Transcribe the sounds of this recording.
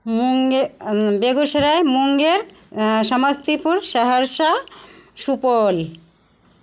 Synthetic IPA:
muŋ | beɡoʃeɾaemuŋɡeɾ | ʃɔmast̪ipuɾʃaɦaɾʃaʃupol

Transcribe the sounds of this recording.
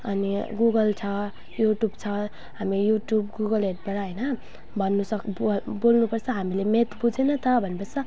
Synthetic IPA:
ʌniɡuɡʌlt͡sʰʌ | juʈjubt͡sʰʌ | ɦamijuʈjubɡuɡʌlɦeʈbʌɾaɦʌjnʌ | bʱʌnːusʌkbolnupʌrt͡sʰʌɦamilemet̪bud͡zenʌt̪ʌbʱʌnːepʌrt͡sʰʌ

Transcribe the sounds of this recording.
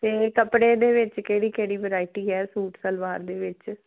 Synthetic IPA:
t̪eːkəpɽeːd̪eːʋɪt͡ʃkeːɽiːkeːɽiːʋəɾaːiʈiːɛːsuːʈsəlʋaːɾd̪eːʋɪt͡ʃ

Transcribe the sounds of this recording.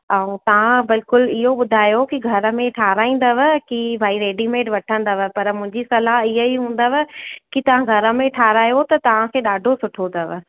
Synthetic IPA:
aːũt̪ɐʋ̤ãbɪlkʊlɪɦoɓʊd̪ʱaːjokiɡʱɐɾə̆mẽʈʰaːɾaːĩːn̆d̪əʋkibʱaːiɾeːɖimeːʈʋɐʈʰə̃nd̪əʋə̆pɐɾmʊ̃ɦɪ̃ɲd͡ʑisɐlaɦɪɦəiɦũːnd̪əʋəkit̪ɐʋ̤ãɡʱɐɾə̆mẽʈʰaːɾaːjot̪ɐt̪ɐʋ̤ãkʰeːɗaːɖʱosʊʈʰot̪ɐʋɪ

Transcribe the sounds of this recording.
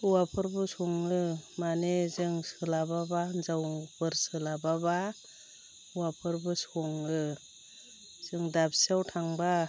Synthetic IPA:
uwapʰɯɾbɯsɔŋɯmanezɯŋsɯlababanzawbɯɾsɯlababa | uwapʰɯɾbɯsɔŋɯ | z̥ɯŋdabsiawtʰaŋba

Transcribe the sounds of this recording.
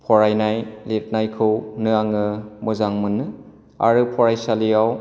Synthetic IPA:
pʰɔɾajnajlet̚najkʰɯwnɯaŋɯmɯzaŋmɯnːɯ | a̰ɾɯpʰɔɾajsalijaw

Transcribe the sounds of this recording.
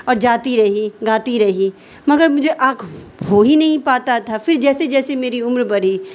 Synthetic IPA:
ɔːɾd͡ʒaːt̪iɾɐɦiɡaːt̪iɾɐɦiː | mɐɡəɾmʊd͡ʒʱeʔaːkʰɦoɦinɐɦĩpaːt̪at̪ʰafɪɾd͡ʒɛːsed͡ʒɛːsemeːɾiʊmɾbɐɽ̤iː

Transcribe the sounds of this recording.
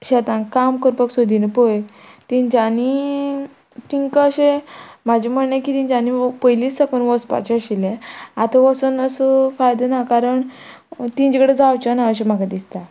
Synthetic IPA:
ɕɛt̪ãnkamkəɾpəksod̪ʱinepoj | t̪iɲd͡ʑani | t̪iŋkəəɕemad͡ʑʱem̤əɽnakit̪ĩɲt͡ɕanipəjlisəkənʋəspa̰t͡ɕeəɕilẽat̪aʋəsənəsəfajd̪ənakaɾəɳ | t̪ĩɲt͡ɕekəɽed͡zawt͡ɕanaəɕ̬em̤aɡad̪ist̪a

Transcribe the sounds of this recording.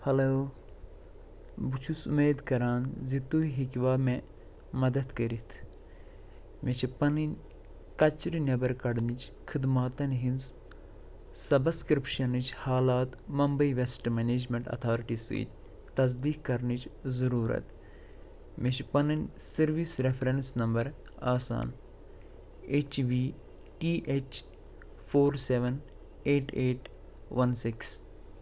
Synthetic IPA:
hɐloː | but͡ʃʰusumeːd̪kɐɾaːnzit̪uiɦikʋaːmẽ | mɐd̪ɐt̪kɐɾit̪ʰ | met͡ʃʰipɐninʲ | kɐt͡ʃɾinʲɐbɐɾkɐɖnit͡ʃʰ | kʰid̪maːt̪ɐnɦinz | sɐbɐskɾipʃɐnɨt͡ʃʰhaːlaːt̪mɐmbɐiʋesʈmeneːd͡ʒmẽɳʈɐ̰t̪ʰaːɾiʈisḭːt̪ʲ | t̪ɐzd̪iːkkɐɾnit͡ʃzɐɾuːɾɐ̰t̪ | miʃpɐnɐnsɐɾʋiːsɾefʰɾensnɐmbɐɾ | aːsa̰ːn | et͡ʃʋiː | ʈiːʔet͡ʃ | pʰoːɾseʋɐn | eːʈeːʈ | ʋɐnsiks

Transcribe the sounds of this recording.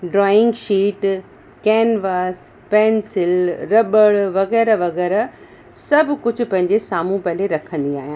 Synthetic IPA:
ɖɾɔːɪ̃ŋɡʃiːʈ | kɛːnʋaːs | pɛːnsɪlɾɐɓəɭʋɐɣɛːɾaʋɐɣɛːɾa | sɐbʱkʊd͡ʑʱʊpɐ̃ɦɪ̃ɲd͡ʑesaːm̤ũpɐleɾɐkʰə̃nd̪iaːɦijãː

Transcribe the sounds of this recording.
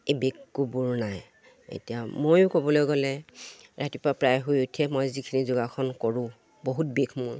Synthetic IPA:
ebekːubuɹnaj | ḛtijamojʊ̃kobɔlojɡɔlɛɹatipʊɹapɹajɦujutʰiɛmojzikʰinizʊɡakʰɔnkɔɹʊ̃ | boɦutbekʰmʊɹ

